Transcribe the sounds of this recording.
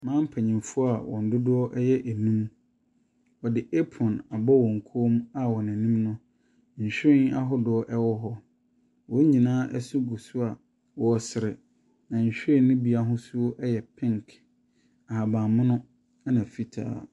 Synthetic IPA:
mãː˦m̩˦pʰa˨ɲĩ˨mfʊ˦a˨wɔ̰̃˨n̩˨dʊ˦dʊ˦ɔ˦ʔɛ˦jɛ˦ʔæ˨nũ˦m | ɔ˨dɪ˨ʔe˦pʰɔ̃˨na˨bɔ˦wɔ̃˨ŋ̩˨kʰo˦ma˨wɔ˨næ̃˨nĩ˦mnʊ̃˦ | ɲ̩˨ɕᶣɪ̃˦na˦ɦɔ˦dʊ˦ɔ˦ʔɛ˦wɔ˦ɦɔ˦ | wɔ˦ɲĩ˨nãː˦ʔɛ˦sʊ˦ɡu˨sʊ˦a˨ | wɔ˨sɪ˨ɾɪ˨ | nã˨ɲ̩˨ɕᶣɪ̃˦˨nɪ̃˦bi˨a˦ɦʊ̃˦sʊ˦ʔɛ˦jɛ˨pʰɪ̃˦ŋ˨kʰ | a˨ha˨bã˨mʊ̃˦nʊ̃˦ | a˦nã˨fi˦tʰa̰ː˨

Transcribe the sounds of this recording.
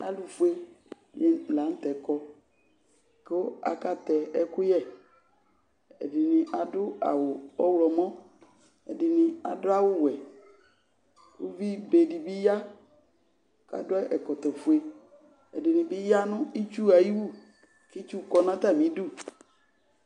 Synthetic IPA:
a̰˨lu˨fu˨e˦ | jɛ˦˨la˨˦n̩˦t̪ɛ˨kɔ˦ | kɪ˦a̰˨ka˦t̪ɛ˨ɛ˦kʊ˦jɛ˦˨ | ɛ̰˨dɪ˨nɪ̃˨ʔa˨dʊ˦a̰˨wʊ˨ɔ˦wlɔ˨mɔ̃˦ | ɛ˨dɪ˨nɪ˨a˨dʊ˦a˦wʊ˦wɛ˨ | ṵ˦vi˦be˨di˨bi˦ja˦ | ka̰˨dʊ˦ɛ˦ʔɛ˨kɔ˨t̪ɔ˨fʊ˨˦e˨ | ɛ̰˨dɪ˨nɪ̃˨bɪ˦ja˦nʊ̃˦i˦t͡ʃu˦a˨ji˦wu˦˨ | ki˦t͡ʃu˦˨kɔ˦nã˦t̪a˦˨mĩ˨˦du˦˨

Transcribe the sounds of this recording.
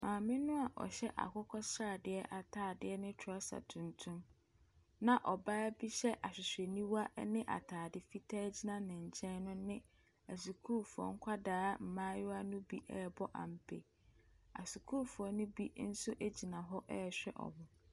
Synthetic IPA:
mãː˨mɪ̃˦nʊ̃˦a˨ʔɔ̰˨ɕɛ˦ʔa̰˨kʰʊ˦kʰɔ˦saː˦˨dɪ˨˦ɛ˦ʔa˨tʰaː˨dɪ˦ɛ˦nɪ̃˦tʰʊ˨˦a˦sa̰˨tʰũ˨ntʰũ˦m | nã˨ʔɔ˨baː˦bi˦ɕɛ˦ʔa˨ɕᶣɪ˨sᶣɛ˨nĩ˦wa˦ʔnɪ̃˦ʔa̰˨tʰaː˨dɪ˨fi˦tʰaː˦d͡ʑi˦nã˦nɪ̃˨ɲ̩˨t͡ɕʰɛ̃˦nnʊ̃˦nɪ̃˦ | æ˨s̬u˨kʰu˦ɾfu˨ɔ̰˨ŋ̩˦kʷʰa˦daː˦m̩˨mãː˦jʊ˦a˦nʊ̃˦bi˦ʔɛ˦˨bɔ˦ʔa̰˨m̩˨pʰe˨ | a̰˨su˨kʰuː˦˨fu˨ɔ˨nʊ̃˦bi˦n̩˦sʊ˦ʔe˦d͡ʑi˨nã˨ɦɔ˦ʔɛ˦˨ɕᶣɛ̰˦ʔɔ̰˨bʊ˨

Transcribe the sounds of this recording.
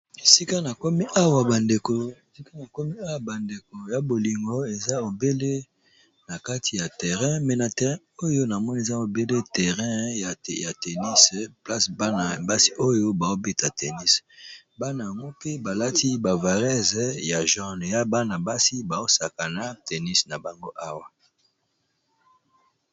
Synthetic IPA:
e˨si˦ka˦na˨kɔ˦mi˦ʔa˦wa˨ba˨nde˨ko˨si˦ka˦na˨kɔ˦mi˦a˦wa˨ba˨nde˨ko˨ja˨bo˨li˨ŋɡo˦e˨za˦o˨be˦le˦ | na˨ka˦tʰi˨ja˨tɛ˨ʁɛ̃˦mɛ˨na˨tɛ˨ʁɛ̃˦o˦jo˦na˨mɔ˦n˦e˨za˦o˨be˦le˦tɛ˨ʁɛ̃˦ja̰˨ja˨te˨ni˦spla˦sba˦na˨ba˦si̥˦ʔo˦jo˦ba˨o˦be˦ta˨tʰe˨ni˦s | ba˦na˨ja˨ŋɡo˦ke˦ba˨la˦ti˦ba˨va˨ʁɛ˦zɛ˦ja˨ʒɔ˦n˨ja˦ba˦na˨ba˦si˦ba˨o˦sa˨ka˨na˦tʰe˨ni˦sna˨ba˨ŋɡo˦ʔa˦wa˦

